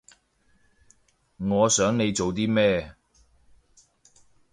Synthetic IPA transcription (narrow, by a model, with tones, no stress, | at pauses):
ŋɔː˨˧sœː˨˥ŋne˨˧jt͡so˨wt̪̬iː˥mɛː˥